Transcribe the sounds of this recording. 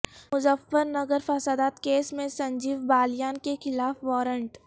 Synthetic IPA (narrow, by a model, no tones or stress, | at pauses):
mʊzəfːəɾnɐɡəɾfɐsaːd̪aːt̪keːsmẽsɐ̃ɲd͡ʒiːʋbaːljaːnkexɪlaːfʋɔːɾə̃ɳʈ